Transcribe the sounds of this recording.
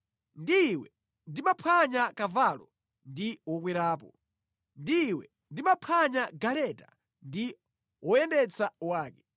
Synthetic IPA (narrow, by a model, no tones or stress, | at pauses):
ndiwɛ | ndimapʰaɲakavalɔ̰ | ndiwɔk̬wiɾaːp̬ɔ̰ | ndiwɛ | ndimapʰaɲaɡalɛta | ndi | wɔjɛndɛt͡sʰawaːkɛ